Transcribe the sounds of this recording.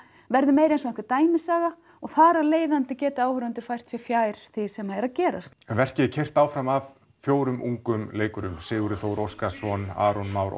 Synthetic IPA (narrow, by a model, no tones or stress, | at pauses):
vɛɾðʏmeːjɾejnsɔɛhkvɪt̪aːjmɪsaːɣa | ɔɣθaːɾaleːjðant̪ɪcɛːt̪ɪaːwhʏɾʏnt̪ʏɾ̥fajr̥t̪sjɛfjaːjɾ̥θɪsɛmaɛɾaðcɛːɾa̰st̪vɛr̥cɪcʰɛjr̥t̪aːwfɾamav | fjoːwɾʏmʔṵŋkʏmleːjkʏɾʏmsɪːɣʏɾʏθoːwɾɔskasɔna̰ːɾɔnmaːwɾ̰